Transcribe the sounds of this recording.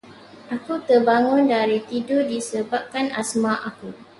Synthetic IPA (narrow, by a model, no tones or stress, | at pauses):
ʔakut̪ərbaŋʊ̃ndaɾit̪idʊdisəbap̚kanasmaʔaku